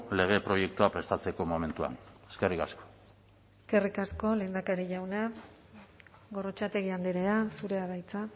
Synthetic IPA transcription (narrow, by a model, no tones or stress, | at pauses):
le̞ɣ̞e̞pɾo̞je̞k̚t̪uapɾe̞st̪at͡se̞ko̞mo̞me̞nt̪ua̰neskerikasko̥ | eske̞rikasko̞le̞ːnd̪akaɾiʝawna | ɣo̞rot͡ʃat̪e̞ɣiand̪iɾeasuɾe̞aβajt͡sa